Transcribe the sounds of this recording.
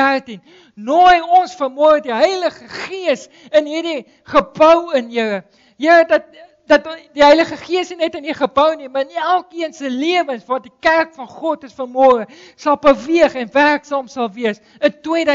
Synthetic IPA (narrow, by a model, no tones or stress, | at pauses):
ærtin | nojɔnsfərmɔːrədiɦəjləχəχiəs | ənɦiːrdi | χəbœwənjəə | jəɾədɐt̚ | dɐtdiɦəjləχəχiəsninɛtəniχəbəwnimɐənælˠkiənsəliəvənsvɑːtdikærkfɐnχɔtəsfərmɔːrə | sɐlˠbəviəχɛnværksɑːmsɐlˠviəs | əntwiədə